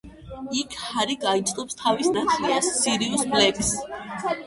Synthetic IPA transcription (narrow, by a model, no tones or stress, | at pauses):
ikʰhaɾiɡait̪sʼqʼɔpst̪ʰavisnat̪ʰliast̪sʰiɾiusblɛkʰs